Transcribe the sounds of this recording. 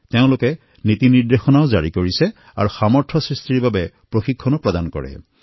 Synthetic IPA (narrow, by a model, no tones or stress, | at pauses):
teʊ̃lʊkɛ | nit̪iniɹd̪exɔnaʊzaɹikoɹisɛ | a̰ɹuxamɔɹtʰɔsɹistiɹbabɛ | pɹoxikʰːɔnɔpɹɔd̪ankɔ̰ɹɛ̰